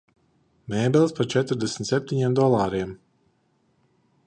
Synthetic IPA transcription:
mɛːbɛlʲˠspaɾt͡ʃɛt̪ɾd̪ɛsmʲt̪sɛp̚t̪ʲiɲemd̪ɔlˠaːɾiɛm

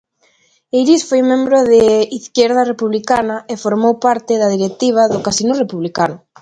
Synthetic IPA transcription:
ejɾisfojmẽmbɾʊðeiθkɛɾðɐrepuβlikanɐefoɾmowpaɾt̪ɪðɐðiɾek̚t̪iβ̞ɐðokasinurepuβlikanʊ

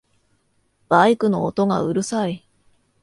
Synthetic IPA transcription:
b̥aikɯ̟no̞ːt̪o̞ɡa̰ɯ̟ɾɯ̟sai

